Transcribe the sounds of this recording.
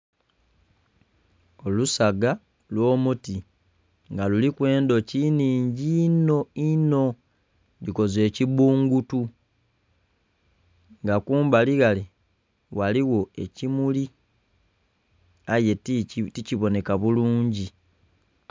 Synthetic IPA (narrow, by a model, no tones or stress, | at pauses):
olusaɡa | lwo̞ːmuti | ŋɡalulikwe̞ːndo̞ciniːɲɟino̞ino̞ | diko̞ze̞ːciβuːŋɡutu | ŋɡakuːmbaliɣali | waliwo̞e̞̰cimuli | aje̞ticiβo̞ne̞kaβuluːɲɟi